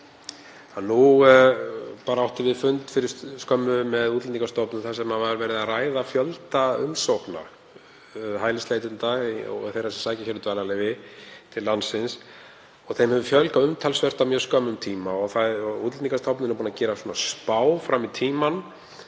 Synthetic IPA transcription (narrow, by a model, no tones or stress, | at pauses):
anːu | paːɾaawht̪ɪvɪðfʏnt̪fɪɾɪsskœmːʏmɛðuːt̪lɛnikast̪ʰɔwpnʏθasɛmavaɾvɛːɾɪðaraːjðafjœlt̪aʏmsowkna̰ | ɦaːjlɪst̪ejt̪ɪnt̪aɣɔ̰θejrasɛmsaːjcaçɛɾʏt̪vaːlalejvɪt̪ʰɪlːansɪns | ɔɣθejmhɛvʏfjœlkaʏmt̪ʰalsvɛr̥t̪amjœːɾskœmːʏmt̪ʰiːmaɔɣθaɔuːt̪lɛnikast̪ʰawpnɪnpuːnacɛːɾasuːnaspaːwfɾamit̪ʰiːman